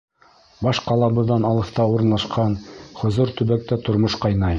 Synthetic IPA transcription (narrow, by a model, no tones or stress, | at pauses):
bɑʃqɑlˠɑβɤ̆ðɑnɑlˠɤ̆ft̪ɑuɾɤ̆nlˠɑʃqɑnχŏzoɾt̪ɵ̆βæk̚t̪æt̪ŏɾmoʃqɑjnɑj